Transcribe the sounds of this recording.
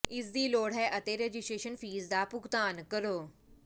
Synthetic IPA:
ɪsd̪iloːɽɦɛʔɐt̪eɾeːd͡ʒɪsʈɾeːʃənfiːzd̪aːpʊkt̪aːnkəɾoː

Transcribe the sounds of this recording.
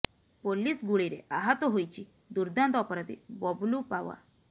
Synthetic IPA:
polːisɡuɭiɾḛʔaɦat̪ɔɦojt͡ɕi | d̪uɾd̪ãnt̪ɔpɾat̪ḭbɔblupaʋa̰

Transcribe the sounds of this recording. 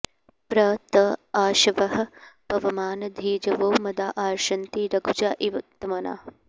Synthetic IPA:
pɾɐt̪ɐaːʃɐʋɐɦɐ̆b̥ʱɐʋɐmaːnɐd̪ʱiːd͡ʒɐʋoːmɐd̪aːʔaːɾʃɐnt̪iɾɐɡʱud͡ʒaːʔiʋɐt̪ːɐmɐna̰ː

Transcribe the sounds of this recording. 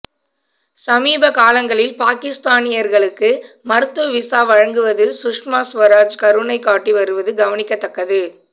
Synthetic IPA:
sɐmiːbɐkaːlɐŋɡɐɭɪlpaːkɪst̪aːnɪjɐɾɣɐɭɯkːɯ | mɐɾɯt̪ːɯʋɪsaːʋɐɻɐŋɡɯʋɐðɯlsʊʂmaːsʋɐɾaːd͡ʒkɐɾɯnɐɪkːaːʈːiʋɐɾɯʋɐðɯɡɐʋɐnɪkːɐt̪ːɐkːɐðɯ

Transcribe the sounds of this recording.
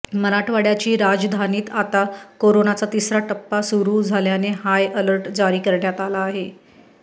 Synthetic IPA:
məɾaʈʰʋaɽjat͡ɕiːɾad͡zd̪ʱaniːt̪at̪akoɾonat͡sat̪isɾaʈəpːasuɾuːd͡zʱaljanehajələɾʈd͡zaɾiːkəɾɳjat̪alaːɦe

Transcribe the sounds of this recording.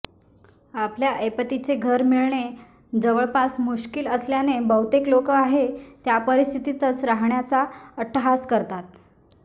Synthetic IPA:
apljaʔepət̪it͡seɡʱəɾmiɭɳe | d͡zəʋəɭpasmuɕkiləsljanebəwt̪eklokəaɦet̪japəɾist̪ʰit̪it̪ət͡sɾaɦɳjat͡saəʈʰːəɦaskəɾt̪at̪̚

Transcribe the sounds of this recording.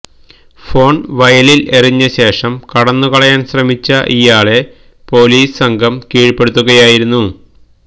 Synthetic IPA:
fo̞ːɳʋɐjɐlileriɲːɐɕe̞ːʂɐmkɐɽɐnːukɐɭɐjaːnɕrɐmit͡ɕːɐʔijaːɭe̞ | po̞ːliːssɐŋɡʱɐmkiːɻpːe̞ɽut̪ːuɣɐjaːjiɾunːu

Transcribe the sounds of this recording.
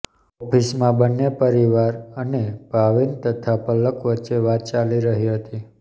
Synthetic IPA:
ɔpʰismãbənːepəɾiʋaɾəneb̥ʱaʋint̪ət̪ʰapələkʋətːʃeʋat̪̚t͡ʃaliɾəɦiɦət̪i

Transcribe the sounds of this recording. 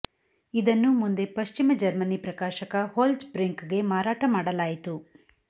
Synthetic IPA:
id̪ɐnːumund̪e̞pɐʃt͡ʃimɐd͡ʒɐɾmɐnipɾɐkaːʃɐkɐhoːlsbɾeŋkɡe̞maːɾaːʈɐmaːɽɐlaːjit̪u

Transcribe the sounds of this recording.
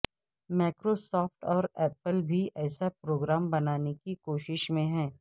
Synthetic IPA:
maːkɾosɔːfʈɔːɾɛːpəlbʱiʔɛːsapɾoːɡɾaːmbɐnaːnekikoːʃɪʃmẽɦɛ̃ː

